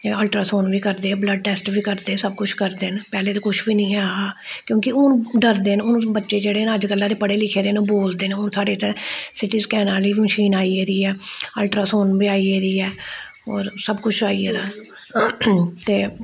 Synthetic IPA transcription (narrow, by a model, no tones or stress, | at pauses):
əlʈɾaːsoːnʋiːkəɾd̪eːɛːbləɖ̚ʈɛːsʈʋiːkəɾd̪eːsəb̚kʊt͡ʃʰkəɾd̪eːnpɛːleːt̪oːkʊt͡ʃʰʋiːnĩːɛːaːaːkjõːkɪʊnɖəɾd̪eːnʊñːbətːʃeːd͡ʒeːɽeːnːəd͡ʒkəlːãːd̪eːpəɽeːlɪkʰeːɾeːnũːboːld̪eːnẽːʊnsaːɖeːt̪ẽːsɪʈiːzkɛːnãːliːməʃiːnaːiːeːd̪iːɛːəlʈɾaːsoːnbiːaːiːeːd̪iːɛː | ɔ̰ːɾsəbkʊt͡ʃʰaːiːeːd̪aː | t̪eː